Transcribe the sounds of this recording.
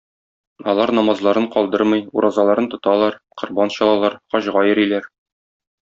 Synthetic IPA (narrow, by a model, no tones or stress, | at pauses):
ɒlˠɑɾnɒmɑzlˠɑɾɤɴqɒlˠd̪ɤɾmɤjuɾʔɑzɑlˠɑɾɤnt̪ŏt̪ɑlˠɑɾqŏɾbɑnɕɒlˠɑlˠɑɾqɒɕʁɑjɤ̆ɾilæɾ